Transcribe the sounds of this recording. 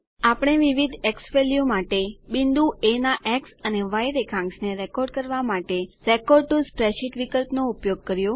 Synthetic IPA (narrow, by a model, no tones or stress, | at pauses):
apɽ̃eʋiʋid̪ʱeksʋeljumaʈebind̪uenaʔɛksəneʋajɾekʰãŋksneɾekɔɾɖ̚kəɾʋamaʈeɾekɔɾɖ̚ʈuspɾeʃiʈʋikəlpnoupjoɡ̚kəɾjo